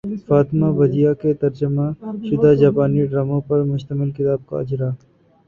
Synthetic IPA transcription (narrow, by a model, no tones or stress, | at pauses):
faːt̪maʋɐd̪ijaket̪ɐɾd͡ʒəmãʃʊd̪aːd͡ʒaːpaːniɖɾaːmõpɐɾmʊʃt̪əmɪlkɪt̪aːb̚ka̰ɐd͡ʒɾaː